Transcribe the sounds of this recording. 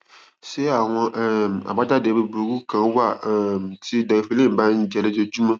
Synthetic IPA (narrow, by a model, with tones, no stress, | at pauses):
se˦a˨ŋɔ̃˨ʔa̰˨ba˦da˦de˨be˨bo˨ɡu˦kã˨˦wa˦˨ti˦da˨fi˨˦le˦˨m˨ba˦n̩˦d͡ʒɛ˨le˦d͡ʒe˦d͡ʒu˦mã˦